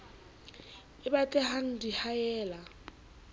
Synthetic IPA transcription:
ɪbatʼɛhan̩dihajɛːla

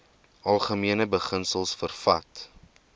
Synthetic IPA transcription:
ʔɐlˠχəmiənəbəχənsəlˠsfərfɐt

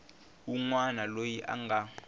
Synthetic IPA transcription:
uŋwanalojiʔa̰ŋɡʱa

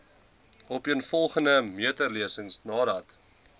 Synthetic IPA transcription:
ɔpiənfɔlˠχəndəmiətərliəsəŋsnɑːdɐt

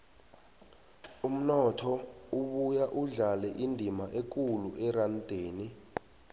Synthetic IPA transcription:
um̩nɔtʰɔuɓujaʔuɮalɛʔindʱimaʔek̬ʼuluʔɛrand̥ʱeːni

